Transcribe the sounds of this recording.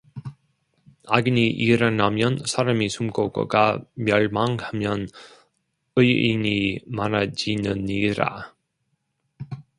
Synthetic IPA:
aɡiniʔiɾanamjʌnsʰaɾamisʰumɡoɡʌ̰ɡamjʌɭmaŋhamjʌn | ɯjḭɲimanad͡ʑinɯniɾa̰

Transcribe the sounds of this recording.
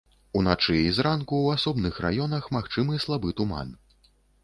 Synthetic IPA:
unat͡ʂɨizɾankuwasɔbnɨxra̰jɔnɐxmaxt͡ʂɨmɨslˠabɨt̪uma̰n

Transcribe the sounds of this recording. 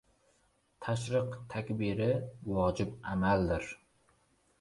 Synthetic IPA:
t̪ʰaʃ̬ɾɨqt̪ʰakʲbɪɾɪwɒd͡ʒɪbamald̪ɪɾ

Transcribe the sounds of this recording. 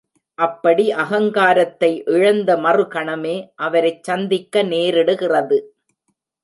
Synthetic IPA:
ʔɐpːɐɽiʔɐɣɐŋɡaːɾɐt̪ːɐɪʔɪɻɐnd̪ɐmɐrɯkɐɳɐmeːʔɐʋɐɾɐɪt͡ʃt͡ʃːɐnd̪ɪkːɐneːɾɪɽɯɣɪrɐðɯ

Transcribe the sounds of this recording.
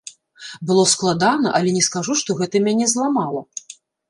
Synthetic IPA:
bɨlˠɔsklˠad̪anɐʔɐlʲɛnʲɛskaʐuʂt̪ɔɣɛt̪ɐmʲanʲɛzlˠamalˠɐ

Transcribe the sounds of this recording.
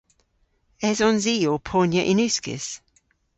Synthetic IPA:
ɛzɔnziːopʰɔːnjəʔɪnʉˑskɪ̰s

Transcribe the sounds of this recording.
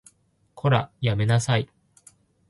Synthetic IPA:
kʰo̞ɾa̰jame̞nasai

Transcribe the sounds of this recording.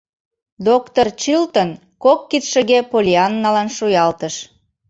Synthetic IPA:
d̪okt̪ort͡ɕɯlt̪ən | kokːit̪ʃə̆ɣepolʲiɑnːɑlɑnʃujɑlt̪əʃ

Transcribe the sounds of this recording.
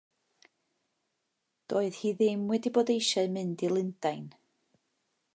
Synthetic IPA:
d̥oːɨð̥hiːðɪmwɛdiboːdejʃɛmɨndilˠɪnd̥ajn

